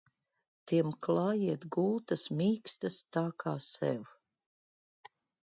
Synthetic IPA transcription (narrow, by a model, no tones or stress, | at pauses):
t̪iɛmklˠaːjiɛt̪ɡuːt̪ɐsmʲiːkst̪ɐst̪aːkʰaːsɛ̰w